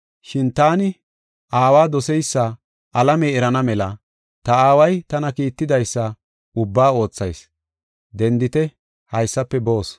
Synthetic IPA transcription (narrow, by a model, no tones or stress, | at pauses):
ʃɪnt̪aːnɪ | ʔaːwaːd̪ɔsɛjsːɐ | ʔɐlɐmɛɛɾɐnɐmɛlɐ | t̪ɐaːwɐjt̪ɐnɐkiːt̪ːɪd̪ɐjsːɐ | ʊbːaːo̞ːt͡sːɐjs | d̪ɛnd̪ɪt̪ɛ | hɐjsːɐpːɛbo̞ːs